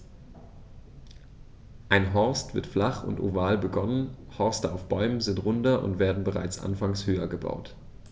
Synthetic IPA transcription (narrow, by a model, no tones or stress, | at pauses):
ʔaɪnɦɔɐstv̥ɪ̰ɐtflaχʊ̰nto̰vaːlbəɡɔnənhɔɐstəaʊfb̥ɔʏmənzɪntʁʊndɐʔʊ̰ntv̥eːɐdn̩bəʁa̰ɪt͡sʔa̰nfaŋshøːɐɡəba̰ʊt